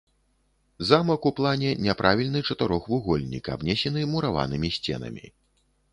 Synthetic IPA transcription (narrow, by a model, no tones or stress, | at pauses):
zamɐkuplˠanʲɛnʲɛpɾʔavʲilʲnɨt͡ʂɐt̪ɨɾɔxvuɣɔlʲnʲḭkɐ̰bnʲɛsʲɛnɨmuɾava̰nɨmʲisʲt͡sʲɛ̰nɐ̰mʲḭ